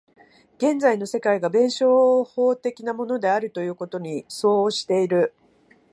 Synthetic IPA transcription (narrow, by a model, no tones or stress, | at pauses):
ɡ̥ẽ̞nd͡zaino̞se̞kaiɡabẽ̞ɰ̃ɕo̞ːhoːt̪e̞kʲinamo̞no̞d̪e̞aɾɯ̟t̪o̞jɯ̟ːko̞t̪o̞ɲ̟iso̞ːɕi̥t̪e̞iɾɯ̟